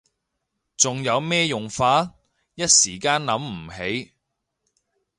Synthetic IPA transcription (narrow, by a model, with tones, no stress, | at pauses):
t͡sʊ˨ŋjɐ˨˧wmɛː˥jʊ˨˩ŋfaː˧˥ | jɐ˥t̚siː˨˩kaː˥nlɐ˨˧˥mm̩˨˩ɦe˨˥j